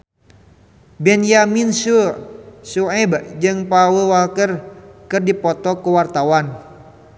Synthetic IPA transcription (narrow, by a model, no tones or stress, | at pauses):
bɛnjaminsu | suɛbd͡ʒɨŋpawəwalkərkɨrdipɔt̪ɔkuwart̪awan